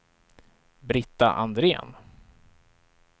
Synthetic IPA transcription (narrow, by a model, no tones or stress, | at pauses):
bɾɪt̪ːa̰ʔa̰nd̪ɾeːn